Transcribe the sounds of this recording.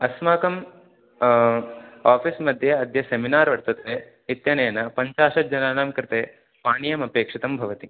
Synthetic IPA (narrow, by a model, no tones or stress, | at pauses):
ɐsmaːkɐm | aːpʰismɐd̪ʱjɐɐd̪ʱjɐseminaːɾʋɐɾt̪ɐt̪eː | it̪jɐneːnɐpɐɲt͡ʃaːʂɐd͡ʒɐnaːnaːmkɾɪt̪eː | paːɳijɐmɐpeːkʂit̪ɐmbʱɐʋɐt̪i